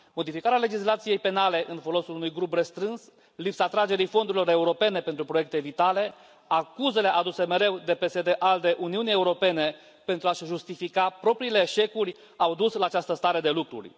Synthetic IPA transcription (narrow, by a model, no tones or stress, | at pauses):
mo̞d̪ifikaɾeale̞d͡ʒislat̪sije̞jpe̞nale̞ʔɨnfo̞lo̞sulunujɡɾuprest̪ɾɨns | lipsat̪ɾad͡ʒe̞ɾifo̞nd̪uɾilo̞ɾe̞uɾo̞pe̞ne̞pe̞nt̪ɾupɾojekt̪e̞vit̪ale̞ | akuze̞le̞ʔad̪use̞me̞ɾe̞wd̪e̞pe̞sed̪e̞ʔald̪e̞ʔuniunije̞uɾo̞pe̞ne̞ | pe̞nt̪ɾuaʃʒust̪ifikapɾo̞pɾiːle̞ːʃe̞kurʲ | awd̪uslaːt͡ʃast̪əst̪aɾe̞d̪e̞lukɾṵrʲ